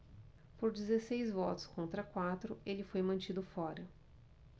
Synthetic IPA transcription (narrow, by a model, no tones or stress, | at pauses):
poɾd͡ʒɪzesejzvɔt̪ʊ̥skõnt̪ɾɐkwat̪ɾʊelɪfojmɐ̃nt͡ʃid̪ʊfɔɾɐ